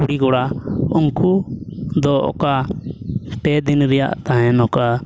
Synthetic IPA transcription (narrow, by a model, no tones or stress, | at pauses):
uɽiɡɔɽaɔŋkud̪ɔɔ̰ka | sʈɛd̪inɾɛja̰ʔt̪aɦɛ̃nɔka